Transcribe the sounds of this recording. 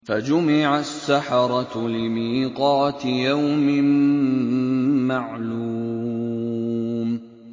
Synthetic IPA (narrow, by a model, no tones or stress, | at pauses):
fad͡ʒʊmɪʕasːaħɑɾˤɑlɪmiːqɑːt̪jawmɪn | maʕluː | m